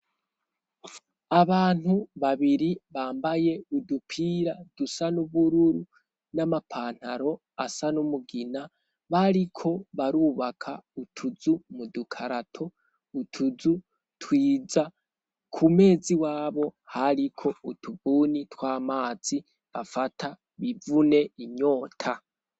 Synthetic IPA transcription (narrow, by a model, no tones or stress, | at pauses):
aβaːn̥huβaβiɾiβaːmbaje̞udupʰiɾad̥usanuβuɾuɾu | namapʰaːn̥haɾo̞ | asanumuɡina | βaɾikʰo̞βaɾuːβakʰautʰuzumudukʰaɾatʰo̞ | utʰuzu | twiːd͡za | kʰume̞ːziwaːβo̞haɾikʰo̞utʰubunitwaːmaːz̥i | βafatʰa | βivune̞iɲo̞ːtʰa